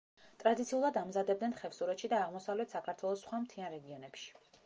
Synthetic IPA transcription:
t̪ʼɾad̪it̪sʰiulˠad̪amzad̪ɛb̚d̪nɛnχɛvsuɾɛt̪ʃid̪aːʁmɔsavlɛt̪ʰsakʰaɾt̪ʰwɛlˠɔsːχwamt̪ʰianɾɛɡiɔnɛpʃi̥

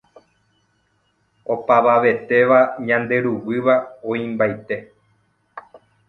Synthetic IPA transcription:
o̞paʋaʋe̞t̪e̞ʋaɲãnd̪e̞ɾuwɨʋaõĩmbajt̪e̞

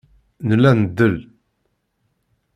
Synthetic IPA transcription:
nəlːænəd̪ːəl

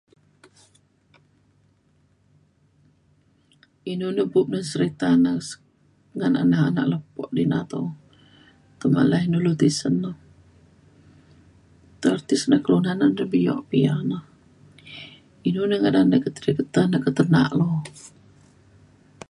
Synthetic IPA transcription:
inunəhbup̚nəsəɾit̪anəs | ŋana̰naɦana̰ʔləpɔ̰ʔdinat̪o | t̪əma̰lainulut̪isənːə | t̪ərt̪isnəhkəlunanənəbijɔ̰ʔpianəh | inunəŋadanəkət̪əɾikət̪anəkət̪ərna̰ʔlo

